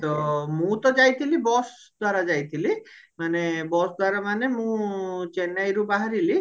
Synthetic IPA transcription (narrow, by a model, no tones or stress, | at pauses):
t̪ɔmũt̪ɔd͡ʒajt̪ʰilibɔs | d̪ʱwaɾad͡ʒajt̪ʰili | manebɔsd̪ʱwaɾamanemũt͡ʃenajɾubaɦaɾili